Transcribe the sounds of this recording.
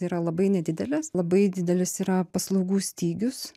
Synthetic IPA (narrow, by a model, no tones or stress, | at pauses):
iːɾɐlˠɐbɐɪnʲɛd̪ʲɪd̪ʲɛlʲɛslˠɐbɐɪd̪ʲɪd̪ʲɛlʲɪsiːɾɐpɐslˠɐʊɡuːsʲt̪ʲiːɡʲʊs